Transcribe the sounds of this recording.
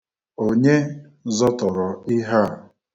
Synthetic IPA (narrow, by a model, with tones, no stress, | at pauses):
o˦ɲe˦ | zɔ˦tɔ˨ɾɔ˨ɪ˦ɦa˦˨